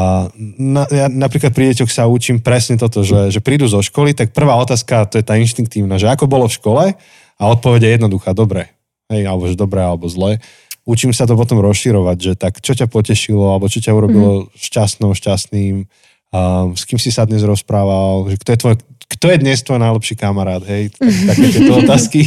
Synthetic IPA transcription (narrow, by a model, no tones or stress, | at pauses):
najanapɾiːklat̪̚pɾiɟɛcɔxsaut͡ʃiːmpɾɛsɲɛt̪ɔt̪ɔʒɛʒɛpɾiːd̪uzɔʃkɔlit̪ak̚pr̩ʋaːɔt̪aːskat̪ɔjɛt̪aːinʃt̪iŋk̚t̪iːʊnaʒɛakɔbɔlɔfʃkɔlɛ | aɔt̪̚pɔʋɛɟɛjɛd̪nɔd̪uxaːd̪ɔbɾɛ | ɦɛjalɛbɔʒɛd̪ɔbɾɛalɛbɔzlɛ | ut͡ʃimsat̪̬ɔp̬ɔt̪ɔmɾɔsʃiɾɔʋaɟʒɛt̪akt͡ʃɔcapɔcɛʃilɔalɛbɔt͡ʃɔcauɾɔbilɔʃcasnɔʊʃcasniːm | skiːmsisad̪ɲɛzɾɔspɾaːʋalʒɛkt̪ɔjɛt̪ʋɔjɛkt̪ɔjɛd̪ɲɛst̪ʋɔjnajlɛpʃiːkamaɾaːd̪ɦɛj̪akt̪akɛːt̪ɛt̪ɔɔt̪aːski